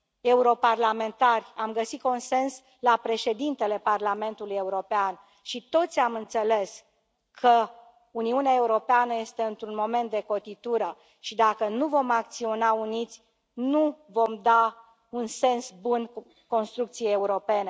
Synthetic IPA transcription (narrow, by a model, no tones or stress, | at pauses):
e̞uɾo̞parlame̞nt̪arʲamɡəsit̪̚ko̞nse̞ns | lapɾe̞ʃe̞d̪int̪e̞le̞parlame̞nt̪uluje̞uɾo̞pean | ʃit̪o̞t̪sʲamɨnt̪se̞le̞s | kʰə | uniuneae̞uɾo̞peanəje̞st̪e̞ɨnt̪ɾunmo̞me̞nt̪̚d̪e̞ko̞t̪it̪uɾə | ʃid̪akənuvo̞mak̚t̪sio̞naunit̪sʲ | nuvo̞md̪a | unse̞nsbun | ko̞nst̪ɾuk̚t̪sijejeuɾo̞pe̞ne̞